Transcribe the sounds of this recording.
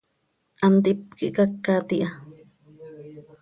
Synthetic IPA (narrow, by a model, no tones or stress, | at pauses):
ʔant̪ip̚kiʔkakːat̪iʔa